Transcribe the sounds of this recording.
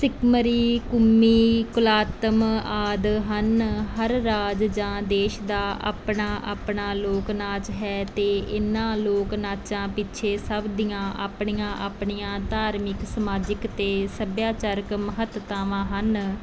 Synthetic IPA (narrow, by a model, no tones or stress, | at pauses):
sɪkməɾiːkʊmːiːkʊlaːt̪əmaːd̪ɦənɦəɾːaːd͡ʒd͡ʒãːd̪eːʃd̪aːʔa̰ːpɳãːʔa̰ːpɳaːloːknaːt͡ʃɦɛːt̪eːʔɪnːãːloːknaːt͡ʃãːpɪtːt͡ʃʰeːsəbd̪ijãːʔaːpɳijãːʔaːpɳiːãːt̪aːɾmɪksəmaːd͡ʒɪkt̪eːsəbjaːt͡ʃəɾəkməɦət̪t̪aːʋãːɦən